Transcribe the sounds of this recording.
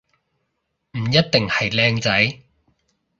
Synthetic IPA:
m̩˨˩jɐ˥t̚t̪ɪ˨ŋhɐ˨jlɛː˧ŋt͡sɐ˨˥j

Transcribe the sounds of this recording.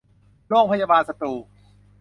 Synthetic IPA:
ɾoː˥˩k̚pʰa˧jaː˧baː˧nsa˧t̪uː˨˩

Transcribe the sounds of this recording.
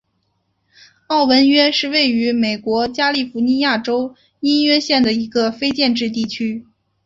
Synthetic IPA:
ɑ˥˩ʊwə˧˥nɥɛ˥ʂɻ̩˥˧we˥˩ɪy˧˥me˨˩ɪkwɔ˧˥t͡ɕja˥li˥˩fu˧˥ni˧˥ja˥˩ʈ͡ʂo˥ʊ | i˥nɥɛ˥ɕjɛ˥˩nd̪ə˩i˧˥ɡə˧fe˥ɪt͡ɕjɛ˥˧nʈ͡ʂɻ̩˥˧t̪̬i˥˩t͡ɕʰy˥

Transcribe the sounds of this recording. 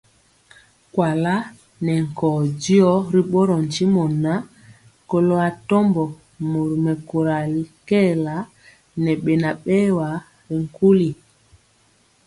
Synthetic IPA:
kwa˨la˦ | nɛ˨ŋ̩˨kɔː˨di˦ɔ˦ɾi˦ɓo˦ɾɔ˨n˨t͡ʃi˦mɔ˨na˦ | ko˨lo˦a˨tɔ˦mbɔ˨ | mo˨ɾu˨mɛ˨ko˨ɾa˨li˨˦kɛ˦˨la˨˦ | nɛ˨ɓe˨na˨ɓɛ˦wa˨˦ | ɾi˨ŋ˨ku˦li˨

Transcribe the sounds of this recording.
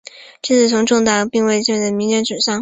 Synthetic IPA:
t͡ɕi˥˧t͡sʰɹ̩˥˩t͡sʰʊ˧˥ŋʈ͡ʂʊ˥˧ŋt̪a˥˩pi˥˧ŋwe˥˧ɪt͡ɕɛ˥˩t͡smi˧˥ŋjɛ˧˥nʈ͡ʂu˨˩ɕɑ˥˩ŋ

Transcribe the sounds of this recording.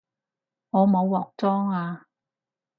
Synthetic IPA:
ŋɔː˨˧mo˨˧wːɔː˨k̚t͡sɔː˥ŋaː˧

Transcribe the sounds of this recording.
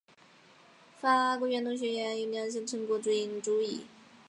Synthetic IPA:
fa˥kɔ˥ɥɛ˧˥nt̪ʊ˥˧ŋɕ̬ɥɛ˧˥jɛ˧˥ni˧˩njɑ˧˥nɕ̬ə˥ŋʈ͡ʂʰɤ˧˥ŋkɔ˥˩ʈ͡ʂu˥i˧˥nʈ͡ʂu˥i˨˩˦

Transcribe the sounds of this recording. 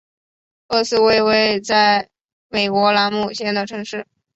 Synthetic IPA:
ɤ˥˧sɹ̩˥we˥˧ɪwe˥ɪt͡sa˥˩ɪ | me˨˩ɪkwɔ˧˥la˧˥nmu˥˩ɕjɛ˥˩nd̪ə˨ʈ͡ʂʰɤ˧˥ŋʂɻ̩˥˩

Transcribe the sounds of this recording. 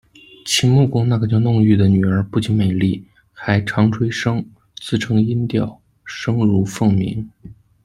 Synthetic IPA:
t͡ɕʰi˨˩mu˥˩kʊ˥ŋna˥˩ɡə˩t͡ɕjɑ˥˧ʊnʊ˥˧ŋy˥˩d̪ə˩ny˨˩ə˞˧˥pu˥˩t͡ɕi˧˥nme˨˩ɪli˥˩ | xa˧˥ɪʈ͡ʂʰɑ˧˥ŋʈ͡ʂʰwe˥ɪʂɤ˥ŋ | t͡sɹ̩˥˩ʈ͡ʂʰɤ˧˥ŋi˥nt̪jɑ˥˩ʊ | ʂɤ˥ŋɻu˧˥fɤ˥˩ŋmḭ˧˥ŋ

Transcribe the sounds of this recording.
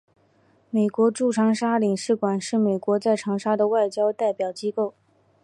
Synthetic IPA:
me˨˩ɪkwɔ˧˥ʈ͡ʂu˥˩ʈ͡ʂʰɑ˧˥ŋʂa˥li˨˩ŋʂɻ̩˥˩kwa˨˩nʂɻ̩˥˩me˨˩ɪkwɔ˧˥t͡sa˥˩ɪʈ͡ʂʰɑ˧˥ŋʂa˥d̪ə˨wa˥˩ɪt͡ɕjɑ˥ʊt̪a˥˩ɪpjɑ˨˩ʊt͡ɕi˥ko˥˩ʊ

